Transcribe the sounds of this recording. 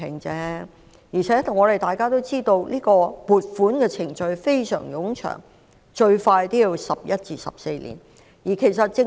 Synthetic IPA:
ɪ˨˩ŋt͡sɛː˥ | jiː˨˩t͡ʃʰɛː˨˥t̪ʰʊ˨˩ŋːɔː˨˧ɾe˨˩jt̪aː˨˩jkaː˥t̪o˥wt͡siː˥t̪o˧wliː˥kɔː˧puː˨t̚fuː˨˥nkɛː˧t͡sʰɪ˨˩ŋt͡ʃɵ˧ɥfe˥jsœ̰ː˨˩ŋjʊ˨˥ŋt͡ʃʰœ̰˨˩ŋ | t͡ʃɵ˧ɥfaː˧jt̪iː˥ji˧wsɐ˨p̚jɐ˥t̚t͡siː˧sɐ̰˨˩p̚se˧jlḭː˨˩n | jiː˨˩kʰe˨˩js̬ɐ˨t̚t͡sɪ˧

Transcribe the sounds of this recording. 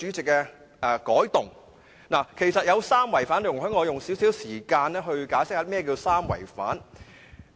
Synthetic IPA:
y˨˥t͡sɪ˨k̚ːɛː˧ | ʔɛː˨˧kɔː˨˥jt̪ʊ˨ŋ | naː˨˩kʰe˨˩jsɐ˨t̚jɐ˨˧wsaː˥mwɐ˨˩jfaː˨˥n˨˩ŋɦœ˨˥ŋɔː˨˧jʊ˨ŋsiː˨˥wsiː˨˥wsiː˨˩kaː˧nɛː˥ɦɵ˧ɥkaː˨˥jsɪ˥k̚haː˨˥mɛː˥k̬iː˧wsaː˥mwɐ̰˨˩jfa̰ː˨˥n

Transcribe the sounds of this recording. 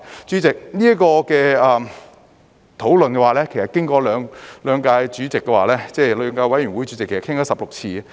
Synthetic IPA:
t͡ʃyː˨˥t͡sɪ˨k̚niː˥ɐ˥kɔː˧kɛː˧ɐ˨ | t̪ʰo˨˥wlɵ˨nkɛ˧waː˨lɛː˥kʰe˨˩sɐ˨t̚kɪ˥ŋkɔː˨˧lœː˨˧ŋlœː˨˧ŋkaː˧jt͡ʃyː˨˥t͡sɪ˨kːɛ˧wa̰ː˨lɛː˥t͡sɛː˥˧lœː˨˧ŋkaː˧wɐ˨˥jy˨˩nwu˨˥jt͡ʃy˨˥t͡sɪ˨kʰːe˨˩sɐ˨kʰɪ˥ŋaː˨˥sɐ˨p̚lʊ˨k̚t͡sʰiː˧

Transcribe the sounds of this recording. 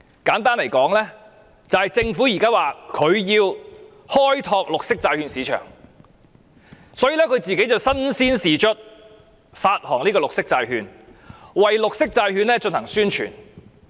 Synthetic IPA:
kaː˨˥nt̪aː˥nle˨˩jkɔː˨˥ŋlɛː˥ | t͡sɐ˨hɐ˨jt͡sɪ˧ŋfu˨˥ji˨˩kaː˥waː˨kʰɵ˨˧ɥjiː˧w | hɔː˥jt̪ʰɔː˧k̚lʊ˨k̚sɪ˥k̚t͡saː˧jhyː˧nsiː˨˧t͡ʃʰœ̰ː˨˩ŋ | sɔː˨˥jiː˨lɛː˥kʰɵ˨˧ɥt͡siː˨ke˨˥jt͡sɐ˨wsɐ˥nsiː˥nsiː˨˩t͡ʃʰɵ˥t̚ | faː˧t̚hɔː˨˩ŋniː˥kɔː˧lʊ˨k̚sɪ˥k̚t͡saː˧jɦyː˧nwɐ˨jlʊ˨k̚sɪ˥k̚t͡saː˧jhyː˧nlɛː˥t͡ʃɵ˧nhɐ˨˩ŋsyː˥nt͡ʃʰy̰ː˨˩n

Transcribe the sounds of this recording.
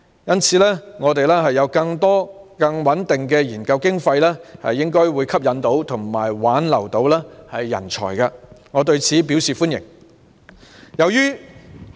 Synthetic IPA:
jɐ˥nt͡sʰiː˨˥lɛː˥ŋɔː˨˧t̪e˨jlɛː˥ɦɐ˨jːɐ˨˧wkɐ˧ŋt̪ɔː˥ | kɐ˧ŋwɐ˨˥nt̪ɪ˨ŋkɛː˧jiː˨˩nkɐ˧wkɪ˥ŋfɐ˧jlɛː˥hɐ̰˨jːɪ˥ŋkɔː˥jwuː˨˧jkʰɐ˥p̚jɐ˨˧nt̪o˨˥wt̪ʰʊ˨˩ŋmaː˨˩jwaː˨˥nlɐ̰˨˩wt̪o˨˧˥wlɛː˥hɐ˨jːɐ̰˨˩nt͡ʃʰɔ̰ː˨˩jkɐ˧ŋɔː˨˧t̪ɵ˧ɥt͡sʰiː˨˥piː˨˥wsiː˨˩fuː˥njɪ̰˨˩ŋ | jɐ˨˧wjyː˥

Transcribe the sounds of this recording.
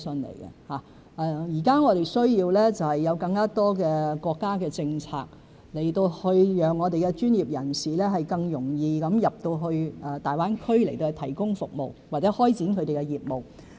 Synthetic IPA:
sɵ˧nlḛ˨˩jkɛ̰˧haː˨˩ | ʔɛː˨jiː˨˩kaː˥ŋɔː˨˧ɾe˨jsɵ˥ɥjiː˧wlɛː˥t͡sɐ˨˩whɐ˨jːɐ˨˧wkɐ˧ŋkaː˥t̪ɔː˥kɛː˧kɔː˧kːaː˥kɛː˧t͡sɪ˧ŋt͡sʰa̰ː˧k̚ | le˨˩jt̪o˧whɵ˧ɥjœː˨ŋːɔː˨˧t̪e˨jkɛ˧t͡ʃyː˥njiː˨p̚jɐ˨˩nsiː˨˩lɛː˥ɦɐ˨jkɐ˧ŋjʊ˨˩ŋjiː˧kɐ˨˥mjɐ˨p̚t̪o˧wɦɵ˧ɥʔɛ˨˧t̪aː˨jwaː˥nkʰɵ˥le˨˩jt̪o˧ht̪ʰɐ˨˩jkʊ˥ŋfʊ˨k̚mo̰˨wwaː˨k̚t͡sɛ˨˦˥hɔː˥jt͡siː˨˥nkʰɵ˧t̪e˨jkɛ˧jiː˨˩p̚mo˨˩w

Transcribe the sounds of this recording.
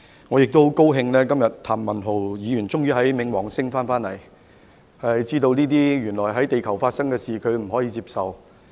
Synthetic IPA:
ŋɔː˨˧jɪ˨k̚t̪o˥wko˥wɦɪ˧ŋlɛː˥kɐ˥mjɐ˨tt̪ʰaː˨˩mːɐ˨˩nɦo˨˩wjiː˨˧jyː˨˩nt͡sʊ˥ŋjyː˥ɦɐ˨˥jmɪ˨˧ŋwɔː˨˩ŋsɪ˥ŋfaː˥nfaː˥nlɐ˨˩j | hɐ˨jt͡siː˥t̪o˧wniː˥t̪̬iː˥jyː˨˩nlɔː˨˩jɦɐ˨˥jt̪e˨jkʰɐ˨˩wfaː˧t̚sɐ˥ŋkɛː˧siː˨kʰɵ˨˧ɥm̩˨˩ɦɔː˨˥jiː˧t͡siː˧˥p̚sɐ˨w

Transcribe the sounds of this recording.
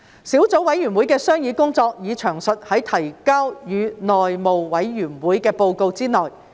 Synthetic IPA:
siː˨˥wt͡so˨˥wɐ˨˥jɥyː˨˩nwuː˨˥jkɛː˧sœː˥ŋjiː˨˧kʊ˥ŋt͡sɔː˧k̚jiː˨˧t͡ʃʰœː˨˩ŋsɵ˨t̚hɐ˨˥jt̪ʰɐ˨˩jkaː˥wjyː˨˧nɔː˨jmo˨wwɐ˨˥jɥyː˨˩nwuː˨˥jkɛː˧po˧wko˧wt͡siː˥nɔː˨˩j

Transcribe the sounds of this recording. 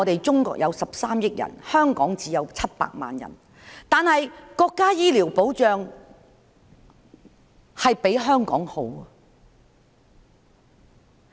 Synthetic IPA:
t̪e˨jt͡sʊ˥ŋkɔ̰ː˧˥k̚jɐ˨˧wsɐ˨p̚saː˥mjɪ˥k̚jɐ̰˨˩nhœː˥ŋkɔː˨˥ŋt͡siː˨˧jɐ˨˧wt͡sʰɐ˥t̚pa̰ː˧k̚ma̰ː˨njɐ̰˨˩n | t̪aː˨nhɐ˨jkɔː˧kːaː˥jiː˥liː˨˩wpo˨˥wt͡ʃœː˨˧ŋ | hɐ˨jpe˨˥jɦœː˥ŋkɔ̰ː˨˥ŋho̰˨˥wɐ˨

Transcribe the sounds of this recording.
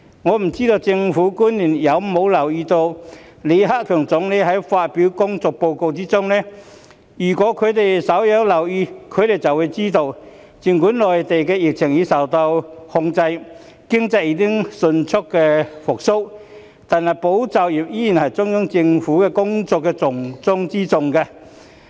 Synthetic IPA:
ŋɔː˨˧m̩˨˩t͡siː˥t̪o˧wt͡sɪ˧ŋfuː˨˥kuː˥nliː˨˩njɐ˨˧wmo˨˧wlɐ˨˩wjiː˧t̪o˧w | le˨˧jɦa˥k̚kʰœː˨˩ŋt͡sʊ˨˥ŋne˧˥ɦɐ˨˥jfaː˧t̚piː˨˥wkʊ˥ŋt͡sɔː˨˧k̚po˧wko˧wt͡siː˥t͡sʊ˥ŋnɛː˥ | jyː˨˩kɔː˨˥kʰɵ˨˧ɥt̪e˨˩jsɐ˨˥wjɐ˨˧wlɐ˨˩wjiː˧kʰɵ˨˧˥t̪e˨jt͡sɐ˨wu˨˧jt͡siː˥t̪o˧w | t͡si˨˧ŋkuː˨˥nlɔː˨jt̪e˨jkɛː˧jɪ˨k̚t͡sʰɪ˨˩ŋji˨˧˥sɐ˨˩wt̪ɐ˧whʊ˧ŋt͡sɐ˧j | kɪ˥ŋt͡sɐ˧jiː˧˥kɪ˥ŋsɵ˧nt͡sʰʊ˥kːɛ˧fʊ˨k̚sʊ˥w | t̪a˨nhɐ˨jpo˨˥wt͡sɐ˨wjiː˨˩p̚jiː˨˥ji˨˩nhɐ˨˩jt͡sʊ˥ŋjɔ˨˥ŋt͡sɪ˧ŋfuː˨˥kɛ˧kʊ˥ŋt͡sɔː˨˧kːɛː˧t͡sʊ˨˩ŋt͡sʊ˥ŋt͡siː˥t͡sʊ˧ŋkɐ˧

